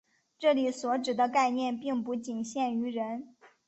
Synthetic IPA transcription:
ʈ͡ʂɤ˥˩li˨˩swɔ˧˥ʈ͡ʂɻ̩˨˩d̪ə˦ka˥˧ɪnjɛ˥˧npi˥˧ŋpu˥˩t͡ɕi˨˩nɕjɛ˥˩ny˧˥ɻə˧˥n

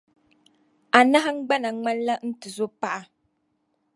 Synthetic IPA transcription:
a˨na˦ɦa˦ŋ̩˦ɡ͡ba˦na˨ŋ͡ma˦n˦la˦n̩˦tɨ˨zo˦pa˦ʔa˨

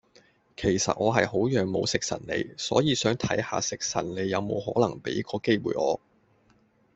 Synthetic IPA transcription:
kʰe˨˩jsɐ̰˨t̚ʔɔː˨˧ɦɐ˨jɦo˨˥wjœː˨ŋmo̰˨˧wsɪ˨k̚sɐ̰˨˩nlḛ˨˧jsɔ̰ː˨˥jiː˨˧sœː˨˥ŋt̪ʰɐ˨˥jha̰ː˨sɪ˨k̚sɐ̰˨˩nne˨˧jɐ˨˧wmo̰˨˧whɔː˨˥lɐ˨˩ŋpḛ˨˥jkɔː˧ke˥jwṵː˨˩jʔɔ̰ː˨˧

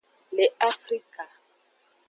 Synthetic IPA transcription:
le˨a˦fri˦ka˨

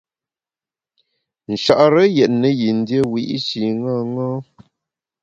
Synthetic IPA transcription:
n̩˨ʃa˨ʔɾə˦jɛ˨ʔ̚nə˨ji˨n̩˦djə˦wi˨ʔi˦si˨ŋa˦˨ŋɔ˦

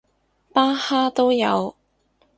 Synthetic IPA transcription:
paː˥haː˥t̪o˥wjɐ̰˨˧w

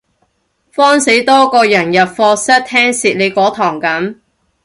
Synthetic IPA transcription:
fɔː˥nse˨˥jt̪ɔː˥kɔː˧jɐ˨˩njɐ˨p̚fɔː˧sɐ˥t̚t̪ʰɛː˥ŋsiː˨t̚le˨˧kɔː˨˥t̪ʰɔː˨˩ŋkɐ˨˥m

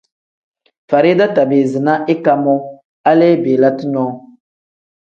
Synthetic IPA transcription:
fa˨ɾi˦da˦ta˨be˨zi˨na˦ʔi˦ka˨mɔ˦ | a˦le˦be˨la˦ti˦nɔ˦

